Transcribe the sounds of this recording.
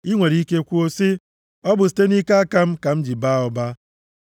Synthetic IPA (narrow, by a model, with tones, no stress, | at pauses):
i˦ŋʷe˨ɾi˦ke˦˨kʷu˦o˦si˦ | ɔ˦bʊ˨si̥˨te˦ni˦ka˦a˦ka˦m̩˦ka˨m̩˦d͡ʒi˨ba˦ʊ˨ba˦